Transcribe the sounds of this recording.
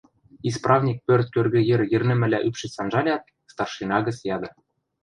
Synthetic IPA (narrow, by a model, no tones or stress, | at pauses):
isprɑvnʲik̚pørt̪̚kørɣɘ̆jɘ̆rjɘ̆rnɘ̆mɘ̆lʲæʔypʃɘ̆sɑnʒɑlʲɑt̪̚ | st̪ɑrʃinɑɣɤ̆t͡sjɑd̪ɤ̆